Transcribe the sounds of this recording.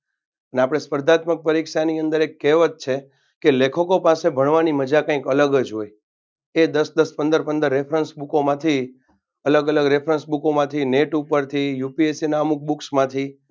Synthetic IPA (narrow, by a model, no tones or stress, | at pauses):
pəneapɽ̃espəɾd̪ʱat̪mək̚pəɾikʃaniənd̪əɾekːeʋət̪̚t͡ʃʰe | kelekʰəkopasebʱəɳʋaniməd͡ʒakãĩkələɡəd͡ʒɦoj | ed̪əsd̪əspə̃nd̪əɾpənd̪əɾːepʰɾənsbukomãt̪ʰi | ələɡələɡɾepʰɾənsbukomãt̪ʰineʈupəɾt̪ʰijupiesinaəmuk̚buksmãt̪ʰi